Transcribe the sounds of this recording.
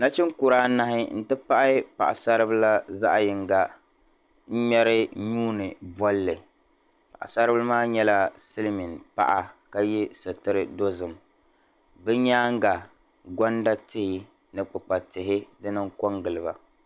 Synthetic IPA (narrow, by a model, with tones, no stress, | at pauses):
na˦t͡ʃɪ˦ŋ˦kʊ˨ɾaː˦na˦ɦɪ˦n̩˦tɨ˦pa˦ʔa˦pa̰˨ʔa̰˨sa˦ɾɨ˦bɨ˦la˦za̰˦ʔjɪ˨ŋ˨ɡa˨ | ɲ̩˦ɲɛ˦ɾɨ˦ɲuː˦nɨ˨bɔ˦lːɨ˨ | pa˨ʔa̰˨sa˦ɾɨ˦bɨ˦lmaː˦ɲɛ˦la˦sɨ˦lmi˨npa̰˦ʔa˨ka˦jɛ˦sɨ˨tɨ˦ɾɨ˦do˦zɨ˨m | bɛ˦ɲaː˦ŋ˦ɡa˨ | ɡɔ˦nda˦tɪ˦hɪ˦ | nɨ˨k͡pɨ˨k͡pa˨tɪ˨ɦɪ˦dɨ˦nɨ˦ŋkɔ˦ŋɡɨ˨lɨ˨ba˨